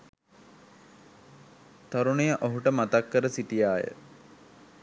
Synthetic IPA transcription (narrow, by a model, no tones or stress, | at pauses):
t̪ɐɾunejəʔoɦuʈəmat̪akːəɾəsiʈijaːjə̰